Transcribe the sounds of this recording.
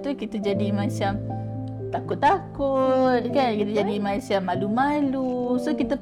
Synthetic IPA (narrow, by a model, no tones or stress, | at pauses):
t̪ukit̪ad͡ʒadimat͡ʃam | t̪akʊt̪̚ːakut̪̚kankit̪ad͡ʒadimat͡ʃamːalumalusokit̪a